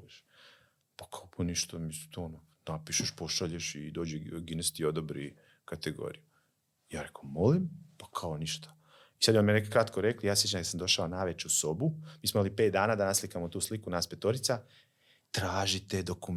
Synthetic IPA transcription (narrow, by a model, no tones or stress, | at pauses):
ʃ | pḁkʰaopuniʃt̪amisi̥t̪oononapiʃeʃpo̞ʃaʎeʃid̪o̞ːd͡ʒeɡinest̪io̞d̪obɾḭ | kat̪eɡo̰ːɾiju | jaːɾekomo̞limpḁkʰaoniʃt̪ḁ | isad̪jonmienekekɾat̪koɾe̞klijaːsjet͡ʃankad̪samnd̪o̞ʃaonajʋet͡ɕuso̞bumiːsmomalipet̪d̪aːnaːd̪anaslikamot̪uːslikunaːspet̪o̞ɾit̪sa | t̪ɾaːʒit̪ed̪okum